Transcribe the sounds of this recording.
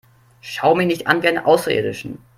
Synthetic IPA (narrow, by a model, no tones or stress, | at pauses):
ʃaʊəmɪnɪçtʔa̰nvianəʔaʊsʁaʔḛːɐdɪʃn̩